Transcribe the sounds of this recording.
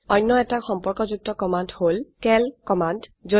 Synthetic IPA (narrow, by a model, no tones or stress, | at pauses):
ɔjnːɔɛtaxɔmpɔɹkɔzuk̚tɔkɔmandholkɛlkɔmandzo